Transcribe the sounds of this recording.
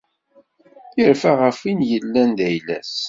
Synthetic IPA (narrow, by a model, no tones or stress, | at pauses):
əɾfaʁəfinjəlːænd̪æjlæ̰s